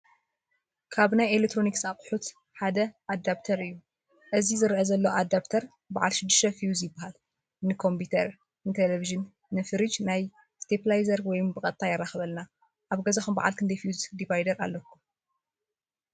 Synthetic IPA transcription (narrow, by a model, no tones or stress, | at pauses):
kʰaβnajelekt̪ʰːɾo̞niksaqʼħut̪ | ħad̪ɐʔad̪apt̪ʰɐɾɨjːu | ʔɨzizɨɾɐʔɐzɐlːoad̪aβt̪ʰɐɾ | baʕa̰lʃɪd̪ːɨʃt̪ɐfijuzjɪbːahal | nɨkʰo̞mput̪ʰɐɾ | nɨt̪ʰeleviʒɨn | nɨfɨɾɨd͡ʒnaj | st̪ʰeplajzɐɾwɔjmbɨkʼɐt̪ʼʰːajɪrːaxɐβɐlna | ʔaβɡɐzaxumba̰ʕa̰lkʰɨnd̪ɐjfiuzd̪ivajd̪ɐɾa̰lːɐkːu